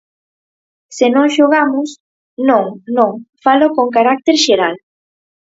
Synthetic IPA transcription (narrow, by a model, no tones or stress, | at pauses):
senõŋʃoɣamʊs | nõŋnõŋfalokoŋk̬aɾak̚t̪eɾʃeɾal